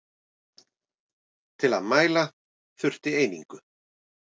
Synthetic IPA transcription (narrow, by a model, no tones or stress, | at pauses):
t̪ʰɪla̰ðmaːjla | θʏr̥t̪ɪeːjniŋkʏ